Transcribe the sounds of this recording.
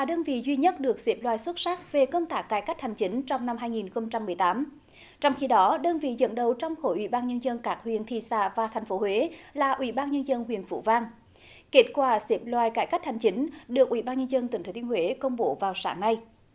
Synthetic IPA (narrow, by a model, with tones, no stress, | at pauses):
laː˨˩ɗəː˧nvḭ˧˨zwi˧ɲə˦˥t̚ɗɨ˨˩ək̚se˦˥p̚lwaː˧˨jswə˦˥t̚sa˦˥k̚ve˨˩kə˧wŋ͡mt̪aː˦˥kːaː˧˩jka˦˥jk̚ha˨˩jŋ̟t͡ɕi˨˦ŋ̟t͡ɕɔ˧wŋ͡mna˧mɦaː˧jŋi˨˩nxə˧wŋ͡mt͡ɕa˧mːɨ˨˩əjt̪aː˨˦m | t͡ɕɔ˧wŋ͡mxi˧ɗɔ˨˦ɗəː˧nvḭ˧˨zə̰˧˨nɗə˨˩wt͡ɕɔ˧wŋ͡mxo˧˩jʔwḭ˧˩ɓaː˧nɲə˧nzə˧nkaː˦˥k̚hwḭ˧˨ənt̪ʰḭ˧˨sa̰ː˧˩vaː˨˩t̪ʰa˨˩jŋ̟fo˨˦hwe˨˦laː˨˩ʔwḭ˧˩ɓaː˧nɲə˧nzə˧nɦwḭ˧˨ənfṵ˧˩vaː˧ŋ | ke˦˥t̚kwaː˧˩se˦˥p̚lwa̰ː˨jkaː˧˩jka˦˥jk̚ha˨˩jŋ̟t͡ɕi˨˦ŋ̟ɗɨ˨˩ək̚ʔwḭ˧˩ɓaː˧nɲə˧nzə˧nt̪ɨ˨˩ŋt̪ʰːt̪i˧ə˧hwe˨˦kə˧wŋ͡mɓo˨˦vaː˨˩wsa̰ː˨˦ŋna˧j